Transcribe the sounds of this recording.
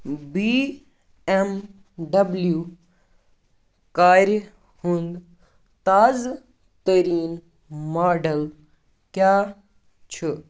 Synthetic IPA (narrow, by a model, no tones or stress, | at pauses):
biː | em | ɖɐbljuː | kaːɾ | hũnd̪ | t̪aːz | t̪ɐɾiːn | maːɖəl | kjaː | t͡ʃʰə